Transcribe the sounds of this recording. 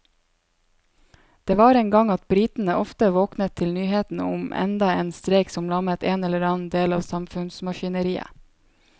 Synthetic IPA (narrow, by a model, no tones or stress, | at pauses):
d̪̥eːʋɑːɾeːŋɡɑŋɑt̪̚bɾiːt̪n̩əʔɔft̪əʋoːknət̪ʰːɪlnyːheːt̪n̩ə̰ʊmʔɛ̰nd̪ɑeːnst̪ɾeɪksɔmlɑmət̪eːnɛləɾɑːn̩d̪eːlɑːʋsɑmfʉnsmɑʃɪnəɾiːə̰